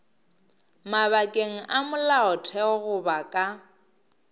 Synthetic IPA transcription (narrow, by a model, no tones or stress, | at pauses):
maβakʼeŋ̩ʔamʊlaʊtʰɛɔɣʊbakʼa